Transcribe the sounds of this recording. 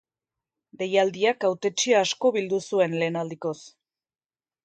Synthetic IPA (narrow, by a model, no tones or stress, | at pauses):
be̞jald̪iakawt̪e̞t͡ʃiaːsko̞βild̪usue̞nle̞ːnald̪iko̞s